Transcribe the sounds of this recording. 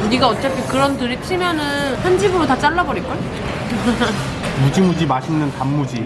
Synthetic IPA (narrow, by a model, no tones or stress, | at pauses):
niɡaʌt͡ɕ͈apʰikɯɾʌntɯɾit͡ɕʰimjʌnɯnhand͡ʑibuɾotat͡ɕ͈aɭːabʌɾik͈o | mud͡ʑimud͡ʑimaɕʰinːɯntamːud͡ʑi